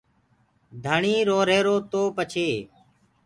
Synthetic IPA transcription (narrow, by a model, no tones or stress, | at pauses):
d̪ʱəɳiːɾoːɾeːɾoːt̪oːpət͡ʃʰeː